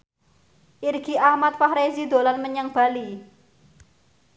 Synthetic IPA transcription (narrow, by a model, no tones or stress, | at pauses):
ʔirɡ̥i̤ʔahmat̪̚fahɾezid̪o̤lanməɲəŋb̥a̤li